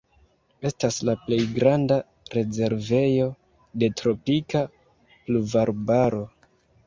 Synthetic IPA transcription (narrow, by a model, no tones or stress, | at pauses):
e̞staslaple̞jɡɾanda | ɾe̞ze̞ɾve̞jo̞ | de̞tɾo̞pika | pluvaɾbaɾo̞